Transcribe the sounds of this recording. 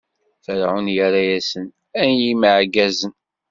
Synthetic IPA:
θəɾʕʊnjəɾajæsən | ænjiməʕɡæzən

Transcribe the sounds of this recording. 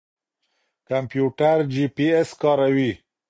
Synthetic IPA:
kampjuʈaɾd͡ʒipieskɑɾawi

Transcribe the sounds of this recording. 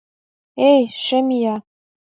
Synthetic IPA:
ejʃɘmijɑ

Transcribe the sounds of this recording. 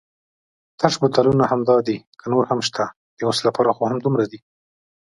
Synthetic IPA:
t̪aʃbʊt̪alunahamd̪ɑd̪ikʰənoɾhamʃt̪ʰa | d̪əwoslapɑɾaxohamd̪umɾad̪i

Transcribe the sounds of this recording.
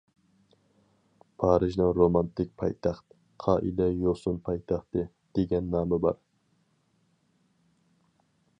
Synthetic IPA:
pʰɑːɾɨʒnɨŋɾomɑnt̪ʰɪk̚ʲpʰɑ̰jt̪ʰɑχt̪ | qʰɑːʔḭlɛjosʊnpʰɑjt̪ʰɑχt̪ɨ | d̪̥eɡʲɛnːɑːmɨbɑ̰ɾ

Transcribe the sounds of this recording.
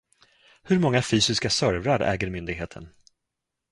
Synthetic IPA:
hɵɾmɔŋːafyːsɪskasœɾvɾaɾʔɛ̰ːɡəɾmʏnd̪ɪɡɦeːt̪ʰə̰n

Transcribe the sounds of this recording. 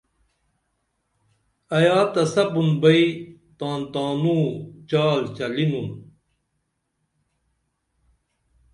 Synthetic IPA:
ɐjaːt̪ɐsɐpunbɐit̪ãːnt̪aːnũːt͡ɕaːlt͡ɕɐlinun

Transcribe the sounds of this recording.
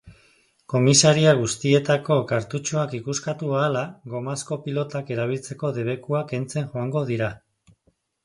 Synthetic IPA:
ko̞misaɾiaɣ̞ust̪ie̞t̪ako̞kaɾt̪ut͡ʃoakikuskat̪uaːlaɣo̞masko̞pilo̞t̪ake̞ɾaβ̞ilt͡se̞ko̞ðe̞β̞e̞kuake̞nt͡se̞nʝo̞aŋɡo̞ðiɾa

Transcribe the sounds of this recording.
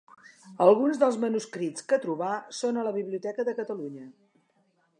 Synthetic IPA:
əlˠɣunzðəlˠzmənuskɾit͡skət̪ɾuβasonələβiβliut̪ɛkəðəkət̪əluɲə

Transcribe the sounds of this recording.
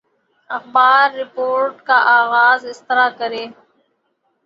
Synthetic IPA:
ɐxbaːɾːɪpoːɾʈkaʔaːɣaːzɪst̪ɪɾaːkəɾeː

